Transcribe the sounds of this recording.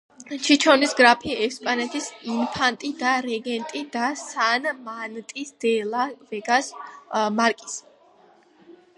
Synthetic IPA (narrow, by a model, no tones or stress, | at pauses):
t͡ʃʰit͡ʃʰɔnisɡɾapʰiɛspʼanɛt̪ʰisinpʰant̪ʼid̪aɾɛɡɛnt̪ʼid̪asanmant̪ʼisd̪̥ɛlˠavɛɡasmaɾkʼi̥s